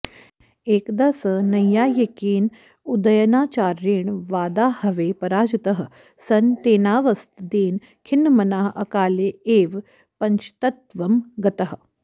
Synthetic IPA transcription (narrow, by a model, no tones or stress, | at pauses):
eːkd̪asɐnɐjaːjɐkiːn | ud̪ɐjɐnaːt͡ʃaːɾiːɳʋaːd̪aːhɐʋeːpɐɾaːd͡ʒɐt̪ɐɦə | sɐnt̪eːnaːʋɐst̪d̪eːn | kʰinːmɐnaːɦʔɐ̰kaːleeːʋ | pɐɲt͡ʃʰt̪ɐt̪ʋɐmɡɐt̪ɐɦə̆